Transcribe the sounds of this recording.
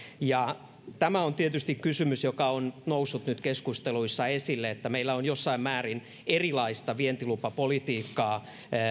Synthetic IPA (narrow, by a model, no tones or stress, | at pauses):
jɑ | t̪æmæont̪iet̪yst̪ikkysymysjokɑonnousːut̪nyt̪keskust̪eluisːɑesilːeet̪ːæmeilːæonjosːɑimmæːrin | erilɑist̪ɑʋient̪ilupɑpolit̪iːkːɑː